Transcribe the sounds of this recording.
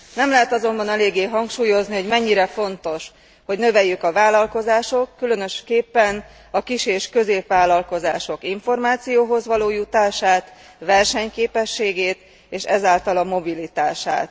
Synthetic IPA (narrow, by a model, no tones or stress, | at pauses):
nɛmlɛɦɛt̪ɒzo̞mbɒnɛleːɡːeːɦɒŋkʃuːjo̞zniho̞ɟmɛɲːiɾɛfo̞n̪t̪o̞ʃ | ho̞ɟnø̞vɛjːykɒvaːlɒlko̞zaːʃo̞kːylø̞nø̞ʃkeːpːɛn | ɒkiʃeːʃkø̞zeːpʋaːlɒlko̞zaːʃo̞kiɱfo̞rmaːt̪sijoːɦo̞zʋɒloːjut̪aːʃaːt̪ | ʋɛrʃɛɲkeːpɛʃːeːɡeːt̪ | eːʃɛzaːlt̪ɒlɒmo̞bilit̪aːʃa̰ːt̪